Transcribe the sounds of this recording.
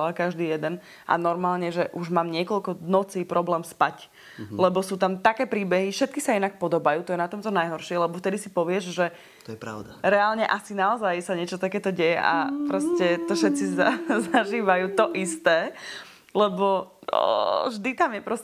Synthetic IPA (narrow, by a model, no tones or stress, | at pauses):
lakaʒd̪iːjɛd̪ɛn | ʔa̰nɔɾmaːlɲɛʒɛʔuʒmaːmɲɪɛkɔlkɔnɔt͡siːpɾɔblɛːmspac | lɛbɔsuːt̪amt̪akɛːpɾiːbɛɦifʃɛt̪̚kisainak̚pɔd̪ɔbajuːt̪ɔjɛnat̪ɔmt̪ɔnajɦɔɾʃɪɛlɛbɔft̪ɛd̪isipɔʋɪɛʒʒɛ | t̪ɔjɛpɾa̰ʊd̪aɾɛalɲɛʔasinaɔzajsaɲɪɛt͡ʃɔt̪akɛːt̪ɔɟɛjɛʔa̰pɾɔscɛt̪ɔʃɛt̪t͡sizazaʒiːʋajuːt̪ɔʔist̪ɛː | lɛbɔɔ̰ʒd̪it̪amjɛpɾɔs